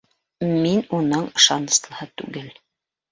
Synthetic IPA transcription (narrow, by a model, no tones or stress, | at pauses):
minunɤɴɤ̆ʃɑnɤ̆slˠɤ̆hɤt̪ʉ̰ɡɘl